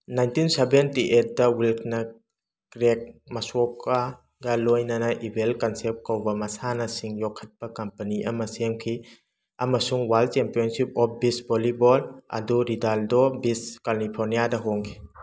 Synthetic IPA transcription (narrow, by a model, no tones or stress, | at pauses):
najntinsebentiʔet̚dɐwilkʰnɐ | kɾek̚mɐsɔka | ɡɐlojnɐnɐʔibelkansep̚t̚kawbɐmɐsanɐsiŋjɔkʰːɐt̚b̥ɐkɐmpɐniʔɐmɐseŋkʰi | amɐsuŋwalt͡ʃempiɔnsip̚ɔp̚bisbolibɔlɐ̰duɾidaldɔbiskalipʰɔɾnijadɐɦoŋkʰi̥